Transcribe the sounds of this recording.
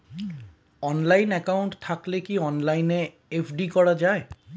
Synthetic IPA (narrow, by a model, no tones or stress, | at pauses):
ɔnlajnɛkawɳʈt̪ʰaklekiɔnlajne | epʰɖikɔɽad͡ʑae